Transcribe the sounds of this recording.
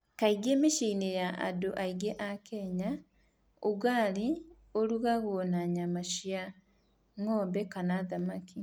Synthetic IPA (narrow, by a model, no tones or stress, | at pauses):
kaiɡeːmiʃiːnejaʔa̰doʔaiɡeʔakeɲa | uɡaːli | oluɣaɣonaɲamaʃja | ŋoːmbekanaðamaki